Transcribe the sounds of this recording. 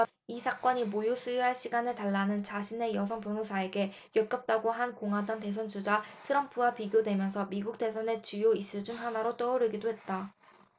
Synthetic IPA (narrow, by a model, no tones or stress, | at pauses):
isʰak͈ʌɲimojusʰujuɦaɭɕ͈ʰiɡanɯtaɭːanɯnt͡ɕaɕʰine̞jʌsʰʌŋpjonusʰae̞ɡe̞ | jʌk͈ʌp̚t͈aɡoɦankoŋɦadwʌnte̞s̬ʰʌnd͡ʑud͡ʑatʰɯɾʌmpʰuwapiɡjodwe̞mjʌnsʰʌmiɡuk̚t͈e̞sʰʌne̞t͡ɕujois͈ɯɭd͡ʑuŋɦanaɾot͈ʌoɾɯɡidoɦe̞t̚t͈a